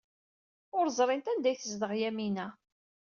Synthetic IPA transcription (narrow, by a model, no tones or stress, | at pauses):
ʊɾzˤɾˤɪnt̪ænd̪æjθəzd̪əʁjæminæ